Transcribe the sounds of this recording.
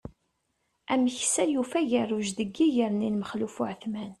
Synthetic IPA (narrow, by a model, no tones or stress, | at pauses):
æməçəsæjufæʝərˤːʊʒðəɡːijəɾninməχlufʊʕθmæn